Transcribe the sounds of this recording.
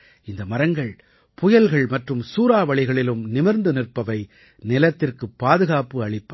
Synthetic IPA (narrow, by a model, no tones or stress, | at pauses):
ɪnd̪ɐmɐɾɐŋɡɐɭ | pʊjɐlɣɐɭmɐʈrɯmsuːɾaːʋɐɭɪɣɐɭɪlɯmnɪmɪɾnd̪ɯnɪrpːɐʋɐɪ | nɪlɐt̪ːɪrkɯpːaːðɯɣaːpɯɐɭɪpːɐ